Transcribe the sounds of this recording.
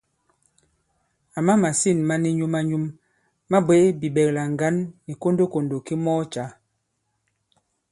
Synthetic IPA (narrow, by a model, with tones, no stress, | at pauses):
a˨ma˦ma˨si˦˨nma˦ni˦ɲu˦ma˦ɲu˦m | ma˦be˦bi˨bɛ˨kla˨ŋ˨ɡa˦nːi˨ko˦ndo˦ko˨ndo˨ki˦mɔ˦t͡ʃa˨˦